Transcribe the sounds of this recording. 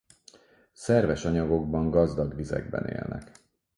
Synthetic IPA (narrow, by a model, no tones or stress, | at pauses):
sɛrvɛʃɒɲɒɡo̞ɡbɒŋɡɒzd̪ɒɡʋizɛ̰ɡbɛnḛːlnɛk